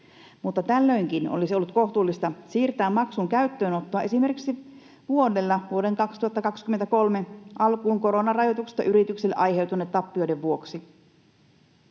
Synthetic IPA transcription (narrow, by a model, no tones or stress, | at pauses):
mut̪ːɑt̪ælːøjŋkino̰lisiolːut̪ko̞ht̪uːlːist̪ɑsiːrt̪æːmːɑksuŋkæyt̪ːø̞ːno̞t̪ːoɑesime̞rkiksi | ʋuo̞delːɑʋuo̞de̞ŋkɑkst̪uhɑt̪ːɑkɑkskyment̪æko̞lmeʔɑlkuːŋko̞ɾo̞nɑrɑjo̞t̪ukse̥st̪ːɑ̰ʔyɾit̪ykselːeʔɑjhe̞wt̪une̞ːt̪tːɑpːio̞jdeʋʋuo̞ksi